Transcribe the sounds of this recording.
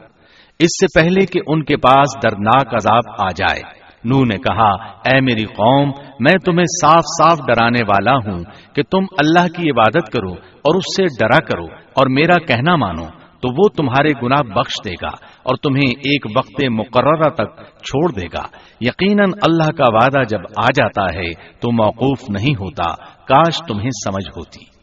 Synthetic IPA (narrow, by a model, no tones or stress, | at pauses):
ɪsːepɛɦlekeʔʊnkepaːsd̪ɐɾd̪naːkɐzaːbaːd͡ʒa̰ːḛː | nuːnekɐɦaɛːmeːɾiqɔːmːɛ̃ːt̪ʊmɦẽsaːfsaːfɖɐɾaːneʋaːlaɦũket̪ʊmɐlːaːɦkiɪbaːd̪ət̪kɐɾo | ɔːɾʊsːeɖɐɾakɐɾo̰ːɔːɾmeːɾakɛɦnama̰ːno̰ | t̪oʋot̪ʊmɦaːɾeɡʊnaːɦbɐxʃd̪eːɡa̰ːɔ̰ːɾt̪ʊmɦẽʔeːkʋɐqt̪emʊqəɾːəɾat̪ɐk̚t͡ʃʰoːɽd̪eːɡa̰ː | jɐqiːnənɐlːaɦkaʋaːd̪ad͡ʒɐbaːd͡ʒaːt̪aɦɛt̪omɔːquːfnɐɦĩɦoːt̪a̰kaːʃt̪ʊmɦẽsɐməd͡ʒʱɦo̰ːt̪i̥ː